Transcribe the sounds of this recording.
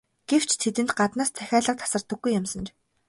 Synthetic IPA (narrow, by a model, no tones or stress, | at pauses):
ɡ̥ew̥t͡ɕʰt̪ʰet̪ɘ̆nt̪ɢat̪naːst͡sʰæxʲaːɮə̆q̚t̪ʰḁsə̆r̥t̪ə̆ɡːujːʊmsə̆nt͡ɕ